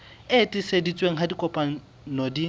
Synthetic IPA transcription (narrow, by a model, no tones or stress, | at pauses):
etʼɪsedit͡sʼweŋ̩ɦadikʼɔpʼa | nodi